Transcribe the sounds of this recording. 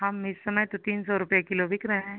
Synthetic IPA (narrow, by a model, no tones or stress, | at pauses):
ɦɐmɪsːɐməjt̪ot̪iːnsɔɾʊpjakɪloʋʱɪkɾɐɦẽː